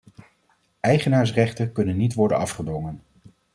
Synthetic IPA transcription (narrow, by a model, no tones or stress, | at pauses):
ɛjχənaːɹs̬rɛχtəkɵnənːitʋɔɹdə̰nɑfχədɔŋən